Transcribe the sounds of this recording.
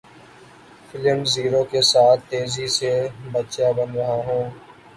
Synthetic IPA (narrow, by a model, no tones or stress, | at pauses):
fʰɪləɳɖziːɾokesaːt̪ʰːeːzisebətːʃjabənɾəɦaɦũː